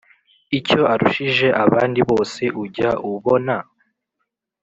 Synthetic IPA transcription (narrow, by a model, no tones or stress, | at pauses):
ico̞ʔaɾuʃiʒe̞ʔaβaːndiβo̞ːse̞ʔuɟaʔuβo̞na